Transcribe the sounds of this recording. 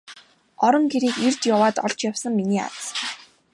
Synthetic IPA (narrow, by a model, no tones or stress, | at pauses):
ɔɾɞ̆ŋxeɾiːkert̪jʊwaːt̪ɔɮt͡ɕjawsə̆ŋminiːa̰t͡s